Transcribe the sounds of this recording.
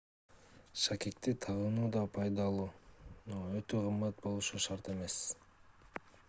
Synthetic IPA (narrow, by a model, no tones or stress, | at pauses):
ʃakʲek̚t̪it̪ʰɑʁɯnuːd̪ɑpʰɑjd̪ɑlˠuːnoøt̪øqʰɯmːɑt̪̚bo̞lˠuʃuʃɑɾt̪e̞me̞s